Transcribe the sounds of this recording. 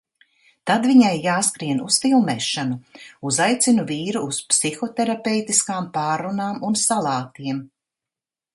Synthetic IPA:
t̪ad̪viɲajːaːskɾiɛnusfilˠmɛːʃanuuzajt̪sinuviːɾuːspsixɔt̪ɛɾapɛwt̪iskaːmpaːɾːunaːmunsalˠɑːt̪iɛm

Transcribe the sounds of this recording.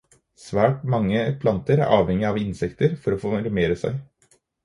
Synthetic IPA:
sʋæːʈmɑŋːəpʰlɑnt̪əɾæ̰ɾʔɑːʋhɛŋːɪɑʋɪnsɛkt̪əɾfɔɾɔfoːɾɛmeːɾəsæ̰ɪ

